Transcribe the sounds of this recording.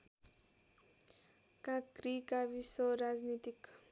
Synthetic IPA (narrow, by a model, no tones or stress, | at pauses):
kakɾikavisoɾaznit̪ik